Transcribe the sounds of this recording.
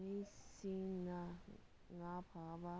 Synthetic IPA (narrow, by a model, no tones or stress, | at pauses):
nisĩna | ŋapʰaba